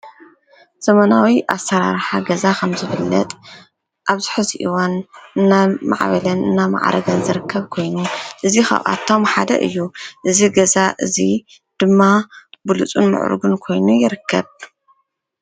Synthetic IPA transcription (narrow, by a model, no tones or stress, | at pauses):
z̥ɐmɐnawiʔasɐɾa̰ɾħaɡɐzakʰɐmzɨβɨlːɐt̪ʼ | ʔaβzɨħuziʔiwanɨnːama̰ʕβɐlɐnɨnːama̰ʕ̰ɾʔɐ̰ɡɐnzɨɾɨkʰːɐβkʰo̞jnuʔɨzixɐ̰βʔa̰t̪ʰːo̞mħad̪ɐ̰ʔɨ̰jːuʔɨziɡɐzaʔɨzi | d̪̥ɨmːabɨlut͡sʼṵnmɨ̰ʕʔɾṵɡunkʰo̞jnujɪɾɨkʰːɐβ